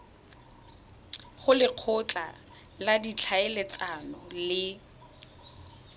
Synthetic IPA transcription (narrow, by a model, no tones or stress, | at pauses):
χʊlɪq͡χʰʊt͡ɬʼa̰ | ladit͡ɬʰaelet͡sʼanɔlɪ